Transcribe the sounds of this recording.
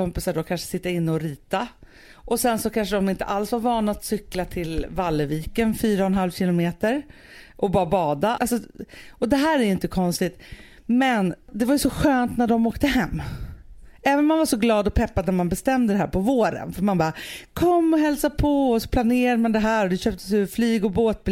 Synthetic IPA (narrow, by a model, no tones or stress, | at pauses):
ɔmpɪsaɖokʰanʂə̥sɪt̪ːaɪnːəɔɾiːt̪a | ʔɔsɛnsɔkʰanʂəɖɔmɪnt̪ə̰ʔalsvaɾvɑːnat̪sʏklat̪ʰɪlvalːəviːkənfyːɾaɔnɦalvɕɪlʊmeːt̪əɾ | ʔɔbɑːɾabɑːd̪aalsɔʔɔd̪ɛɦæːɾæɾjɵɪnt̪əkʰɔnst̪ɪt̪ | mɛnd̪ɛvaɾjɵsɔɧøːnt̪næɖɔmoːkt̪əɦɛmː | ɛːvənmanvaʂɔɡlɑːd̪ɔpʰɛpːad̪næɾmanbɛst̪ɛmd̪əd̪ɛɦæ̰ːɾpʰɔvoːɾə̰nfœɾmanbɑːkʰɔmːɔɦɛlsapʰɔɔsɔ̥pʰlaneːɾad̪əmand̪ɛɦæːɾɔd̪ɛɕøːp̚t̪ʰəsjɵflyːɡɔboːt̪̚b